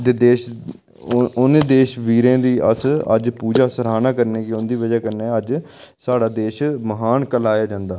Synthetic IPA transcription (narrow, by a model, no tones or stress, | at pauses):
d̪eːd̪eːʃ | ʊned̪eːʃʋiːɾẽːd̪iːʔə̰sə̰d͡ʒpuːd͡ʒaːsəɾaːnaːkəɾneːkɪʊnd̪iːʋəd͡ʒaːkəɾneːəd͡ʒ | saːɽaːd̪eːʃməɦaːnkəlaːjaːd͡ʒãːnd̪aː